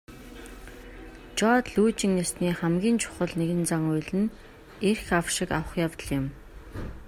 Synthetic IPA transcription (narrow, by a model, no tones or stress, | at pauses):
t͡ɕɔːt̪ɮuːt͡ɕɪ̆ŋnesniːχæmɡʲiːnt͡ɕʰʊ̥χə̆ɮneɣɘ̆nt͡saŋʊjɮɘ̆n | erxawʃɪkawə̆χjawt̪ə̆ɮjɪ̆m